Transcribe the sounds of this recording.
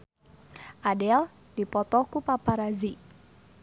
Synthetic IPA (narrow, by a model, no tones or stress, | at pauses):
ʔadɛl | d̥ipɔt̪ɔkupapaɾazi